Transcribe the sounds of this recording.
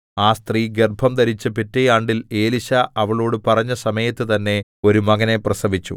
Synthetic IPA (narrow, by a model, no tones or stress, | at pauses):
aːst̪riːɡerbʱɐmd̪ɐɾit͡ɕːɨpitːejaːɳɖile̞ːliɕɐɐʋɐɭo̞ːɽɨpɐrɐɲːɐsɐmɐjɐt̪ːɨt̪ɐnːe̞o̞ɾumɐɣɐne̞prɐsɐbit͡ɕːṵ